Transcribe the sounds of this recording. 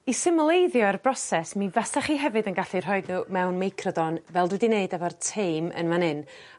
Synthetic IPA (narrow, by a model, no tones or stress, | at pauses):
isɪmlˠejðjɔɛrbrɔsɛsmivastaχiːɦɛvɨdənɡaɬir̥ɦɔɨdnumɛwnmejkʰrɔdɔnvɛlˠdwɛdineɨdɛvɔrtʰejmə̰nmanɨn